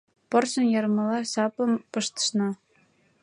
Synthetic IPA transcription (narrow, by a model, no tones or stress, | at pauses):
pɤ̆rɕɤ̆njɑ̆rmɤ̆lˠɑɕɑpɤ̆mpɤ̆ʃt̪ɤ̥̆ʃnɑ